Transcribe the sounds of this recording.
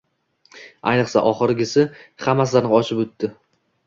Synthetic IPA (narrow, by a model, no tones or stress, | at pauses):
a̰jnɨqsa̰ʔɒχɨɾɪɡʲɪsɪhamːasɪzaɾnɪɒʃɪpɵt̪ʰːɪ